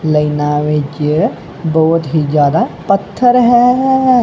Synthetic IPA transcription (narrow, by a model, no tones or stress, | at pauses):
lɐinaʋed͡ʒe | bɔːʊt̪ɦid͡ʒjaːd̪apət̪ʰːəɾɦɛː